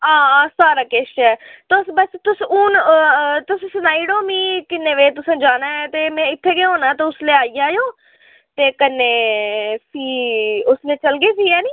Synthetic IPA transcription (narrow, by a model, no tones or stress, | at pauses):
ãːsaːɾaːkeːʃɛːt̪sbəst̪ʊsuːnt̪ʊssnaːiːɽoːmiːkɪnːeːʋeːt̪̬ʊsãːd͡ʒaːnaːɛːt̪eːmɛ̃ːɪt̪ʰːeːɡeːɦoːnaːt̪eːʊsleːaːijãːjõː | t̪eːkənːeːsiːʊsleːt͡ʃəlɡeːsiːɛːniː